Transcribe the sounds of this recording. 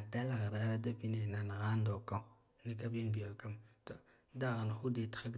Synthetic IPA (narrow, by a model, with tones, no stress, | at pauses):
da˦la˨ɣa˨ɾa˨˦ɾa˦da˦pi˦ne˨na˨na˨ɣa˦ndo˨ka˦u˦ | ni˦ka˦bi˦nbi˨a˨ka˦mto˦ | da˦ɣa˨n˨xu˦de˨tḁ˨ka˦ɡ